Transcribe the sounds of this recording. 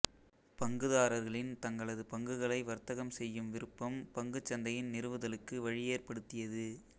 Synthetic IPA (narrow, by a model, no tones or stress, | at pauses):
pɐŋɡɯðaːɾɐɾɣɐɭɪnt̪ɐŋɡɐɭɐðɯpɐŋɡɯɣɐɭɐɪʋɐɾt̪ɐɣɐmsɛjːɯmʋɪɾɯpːɐmpɐŋɡɯt͡ʃːɐnd̪ɐjɪnnɪɾɯʋɯðɐlɯkːɯʋɐɻɪjeːrpɐɽɯt̪ːɪjɐðɯ